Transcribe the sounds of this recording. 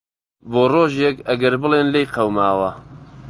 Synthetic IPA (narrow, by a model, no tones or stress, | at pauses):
boːroːʒekɐɡɐɾbɨlˠeːnlejqʰɐwmaːwɐ